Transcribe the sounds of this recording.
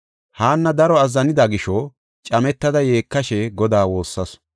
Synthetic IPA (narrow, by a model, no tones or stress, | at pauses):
haːnːɐd̪ɐɾɔɐzːɐnɪd̪aɡɪʃɔ | t͡ʃʼɐmɛt̪ːɐd̪ɐje̞ːkːɐʃɛɡɔd̪aːwo̞ːsːɐs